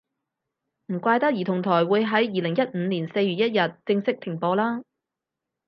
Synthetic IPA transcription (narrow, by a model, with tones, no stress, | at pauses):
m̩˨˩kʷaː˧jt̪ɐ˥k̚jiː˨t̪ʰʊ˨˩ŋt̪ʰɔː˨˩jwuː˨˧jɦɐ˨˥jjiː˨˧lɪ˨˩ŋjɐ˥t̚m̩ː˨˧niː˨˩nse˧jɥyː˨t̚jɐ˥t̚jɐ˨t̚t͡sɪ˧ŋsɪ˥k̚t̪ʰɪ˨˩ŋpɔː˧laː˥